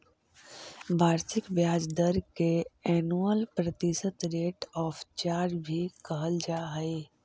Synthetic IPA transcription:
bʱaːɾsɪkbjaːd͡ʒd̪əɾkeɛːnuəlpɾɐt̪ɪsət̪ɾeːʈɔːft͡ʃaːɾɾbʱikəɦəld͡ʒaːɦəeː

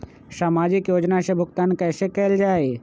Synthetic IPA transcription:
saːmaːd͡ʒɪkjoːd͡ʒnasebʱʊɡt̪aːnkɛːsekɛld͡ʒaːe

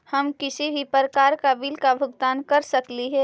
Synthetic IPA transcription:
hɐmkɪsibʱipəɾəkaːɾkabilkabʱʊɡt̪aːnkɐɾsɐkliɦɛ

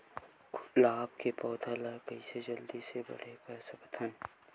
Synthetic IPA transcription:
klaːbkepɔːd̪ʰʱalakəised͡ʒəld̪isebɐ̰ɽ̤ekɐsɐkt̪ʰən

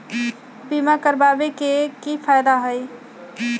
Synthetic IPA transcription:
bimakəɾbabekekipʰajd̪aɦəj

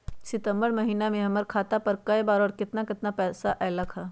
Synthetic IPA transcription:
sɪt̪ə̃mbəɾmɐɦiːnamẽɦɐməɾkʰaːt̪apɐɾkɐjbaːɾɔːɾkɪt̪nakɪt̪napɛːsaʔɛːlɐkʰaː

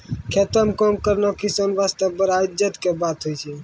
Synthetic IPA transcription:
kʰet̪əmkɔmkəɾnakisənʋast̪əbəɾad͡ʒət̪kebat̪ɦojt͡ʃʰɛ

